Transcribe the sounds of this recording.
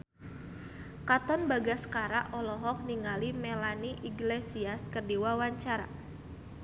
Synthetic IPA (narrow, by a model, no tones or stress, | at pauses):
kat̪ɔnbaɡasə̥kaɾaʔɔlɔɦɔk̚niŋalimelaniʔiɡlesiaskərdiwawaɲt͡ʃaɾa̰